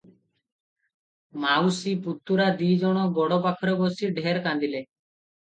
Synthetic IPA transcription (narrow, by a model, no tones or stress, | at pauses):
mawsiput̪ːuɾad̪id͡ʒɔɽ̃ɔɡɔɽɔpakʰɔɾɔbɔsiɖʱeɾkand̪ile